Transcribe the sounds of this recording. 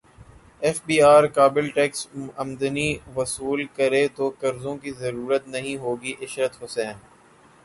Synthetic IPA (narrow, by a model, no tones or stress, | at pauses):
ɛːfbiːaːɾkaːbɪlʈɛːksɐmd̪əniʋɐsuːlkɐɾet̪okɐɾzõkizɐɾuːɾət̪nɐɦĩɦoːɡiʔɪʃɾət̪ɦʊsɛ̃ːn